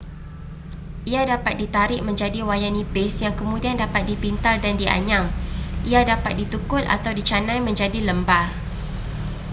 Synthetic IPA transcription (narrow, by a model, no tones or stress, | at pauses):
ʔiadapat̪̚dit̪aɾɪʔ̚mə̃ɲd͡ʒadiwajanibɪsjaŋkəmũdiandapat̪̚dipint̪aldandiʔa̰ɲãŋʔiadapat̪̚dit̪ukʊt̪a̰t̪awdit͡ʃanãjmə̃ɲd͡ʒadiləmbar